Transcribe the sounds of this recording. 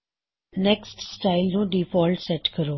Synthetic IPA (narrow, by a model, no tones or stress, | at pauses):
nɛksʈsʈaːɪlnũɖiːfɔːlʈsɛʈkəɾoː